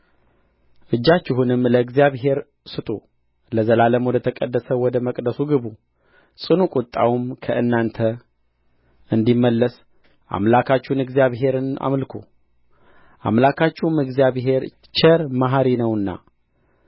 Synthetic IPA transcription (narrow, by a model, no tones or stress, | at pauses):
ʔɨd͡ʒːat͡ʃːɪɦunɨmləɨɡzijaβɦe̞ɾ | sɨt̪ʼu | ləzəlaləmwɔd̪ət̪ʰəkʼəd̪ːəsəwɔd̪əməkʼd̪əsuɡɨβu | sʼɨnukʼut̪ʼːa̰wumkʰəʔɨnːant̪ʰə | ɨnd̪imːəlːəs | ʔa̰mlakʰat͡ʃːɪhnɨɡzijaβɦe̞ɾɨna̰mlkʰṵ | ʔa̰mlakʰat͡ʃːɪhumɨɡzjaβɦe̞ɾ | t͡ʃʰəɾmaɦaɾinəwɨnːa̰